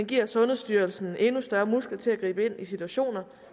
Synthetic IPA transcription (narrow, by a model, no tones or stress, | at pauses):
enɡ̥iɐ̰sɔ̽nð̩ˠsd̥yːɐlsn̩e̝nusd̥ɶɐmusɡ̥l̩t͡sʰe̝læɡ̥ʁḭːb̥əe̝n̰isit͡sʰuæɕo̝̰ːnɐ